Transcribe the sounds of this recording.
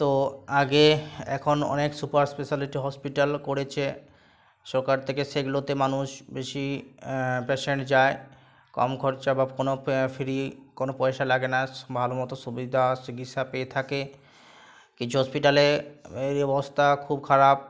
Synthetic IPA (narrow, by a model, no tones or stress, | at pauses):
t̪oaɡeɛ̰kʰonɔ̰neksupaɾspeʃaliʈiɦɔspiʈalkoɾet͡ɕʰe | ʃɔɾkaɾt̪ʰekeseɡlot̪emanuʃbeʃi | peʃeɳʈd͡ʑae | kɔ̰mɡʰʱoɾt͡ɕabakonofiɾikonopɔeʃalaɡenabʱalomɔt̪oʃubid̪ʱasiɡit̪ʃapeet̪ʰake | kit͡ɕʰuɦɔspiʈaleeɾiɔbost̪ʰakʰub̚kʰaɾap̚